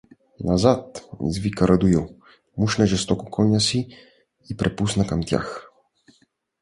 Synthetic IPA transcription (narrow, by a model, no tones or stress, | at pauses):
nʔazat̪zvikaɾad̪ujɔ | muʃnaʒɛst̪ɔkɔkʰɔɲasiː | pɾɛpusnakamt̪ʲja̰x